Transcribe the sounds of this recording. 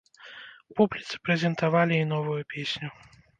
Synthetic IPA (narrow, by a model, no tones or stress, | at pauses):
publʲit̪sɨ̥pɾɛzʲɛnt̪avalʲiin̪ɔvujupʲesʲnʲu